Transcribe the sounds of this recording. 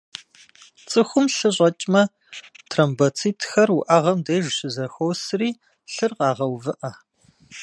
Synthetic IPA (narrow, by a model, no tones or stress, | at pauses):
t͡sʼɨxʷʊmɬɨɕʷʼɐt͡ʃʼmɐ | tʰrɐmbɐt͡sʰiːtʰxɐrʊʔɐʁɐmdejʒɕɪzɐxowsriː | ɬɨrqɑːʁɐwvɨʔɐ